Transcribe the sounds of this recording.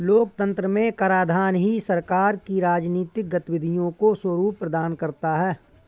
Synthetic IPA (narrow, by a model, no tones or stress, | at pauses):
loːk̚t̪ə̃nt̪ɾəmẽkəɾaːd̪ʱaːnɦisɐɾkaːɾkiɾaːd͡ʒniːt̪ɪk̚ɡɐt̪wɪd̪ʱijõkoswəɾuːpːɾəd̪aːnkɐɾt̪aɦɛː